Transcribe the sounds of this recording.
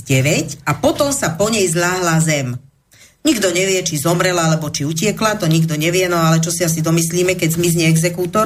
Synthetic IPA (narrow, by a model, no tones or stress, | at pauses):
ɟɛʋɛcapɔt̪ɔmsapɔɲɛjzʎaːɦlazɛm | ɲiɡd̪ɔɲɛʋɪɛt͡ʃizɔmɾɛlalɛbɔt͡ʃiucɪɛklat̪ɔɲiɡd̪ɔɲɛʋɪɛnɔalɛt͡ʃɔsias̬id̪ɔmisliːmɛkɛɟzmizɲɛɛɡzɛkuːt̪ɔɾ